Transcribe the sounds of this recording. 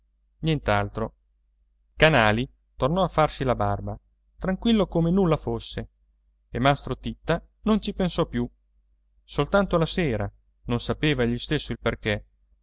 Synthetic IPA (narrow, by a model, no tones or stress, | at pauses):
njɛnt̪alt̪ɾo | kanaːli | t̪ornɔafːarsilabarba | t̪ɾaŋkwilːokomenulːafosːe | emast̪ɾot̪it̪ːa | nont͡ʃipẽnsɔpju | solt̪ant̪olaseːɾa | nonsapeːvaʎist̪esːoilperke